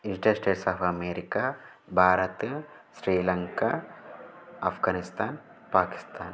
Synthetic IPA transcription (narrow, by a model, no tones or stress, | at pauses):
iɳʈɐɾsʈeːʈsaːfɐmeːɾika | bʱaːɾɐt̪ | sɾiːlɐŋka | ɐfʰɡaːnist̪ʰaːn | paːki̥st̪ʰaːn